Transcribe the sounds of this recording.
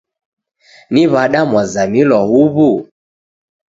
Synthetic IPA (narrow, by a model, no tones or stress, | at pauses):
niβaɗamwazamilwɔhuβu